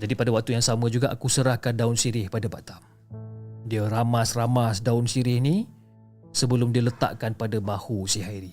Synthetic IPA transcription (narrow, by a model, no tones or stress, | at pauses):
d͡ʒadipadawak̚t̪ujaŋsamə̃d͡ʒuɡaʔakusəɾahkandaʊnsiɾɪhpadaba̰ʔt̪am | diəɾamasramasdaʊnsiɾɪhni | səbəlʊmdiələt̪a̰ʔkanpadabahusiɦaiɾi